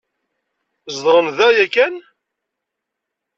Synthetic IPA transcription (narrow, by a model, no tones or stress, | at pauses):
zd̪ʁənðæjækæn